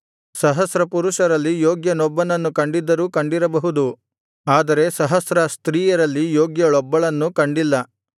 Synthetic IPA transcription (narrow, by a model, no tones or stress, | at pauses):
sɐɦɐsɾɐpuɾuʃɐɾɐlːijoːɡjɐnɔbːɐnɐnːukɐɳɖid̪ːɐɾuːkɐɳɖiɾɐbɐɦud̪u | aːd̪ɐɾe̞sɐɦɐsɾɐst̪ɾiːjɐɾɐlːijoːɡjɐɭɔbːɐɭɐnːukɐɳɖilːɐ